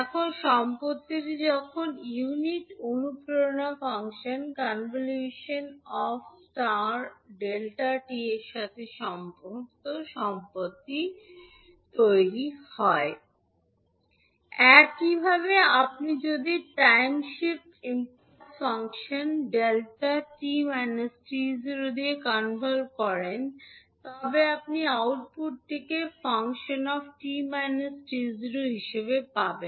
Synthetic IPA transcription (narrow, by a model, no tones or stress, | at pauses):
ɛkʰonʃɔmpot̪ːiɾd͡ʑɔkʰonjuniʈonupɾoɾnafaŋʃonkanvoljuʃonɔfsʈaɾɖelʈaʈieɾʃat̪ʰeʃɔmpukt̪oʃɔmpot̪ːi | t̪ojɾihɔe | ɛkibʱabeapnid͡ʑod̪iʈajmʃip | imp | ofaŋkʃonɖelʈaʈimɛnːesʈizɾod̪iekanbʱolkɔɾent̪ɔbeapniawʈ̚puʈ̚t̪ʰikefaŋkʃonɔfʈimɛnesʈizɾoɦiʃeβepaben